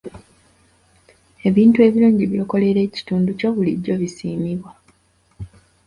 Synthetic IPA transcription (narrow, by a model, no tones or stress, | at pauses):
e̞βiːntue̞βiluːɲɟiβjo̞ːko̞le̞ɾe̞ːci̥tuːnduco̞βulḭɟo̞βisiːmiβwa